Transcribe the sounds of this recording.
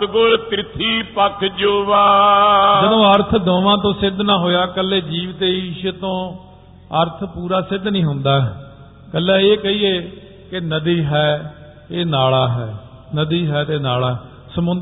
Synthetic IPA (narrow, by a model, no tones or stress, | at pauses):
ɡʊlt̪ɾɪt̪ʰiːpəkʰd͡ʒoːʋaːd͡ʒəd̪õːəɾt̪ʰd̪õːʋãːt̪õːsɪd̪ʱnãːɦoːjaːkəlːeːd͡ʒiːʋt̪eːiːʃt̪õː | əɾt̪ʰpuːɾaːsɪd̪nĩːɦʊnd̪aː | kəlːɛːeːkəiːeː | kenəd̪iːɦɛː | eːnaːlaːɦɛː | nəd̪iːɦɛːt̪eːnaːɭaːɛ | səmʊ̃nd̪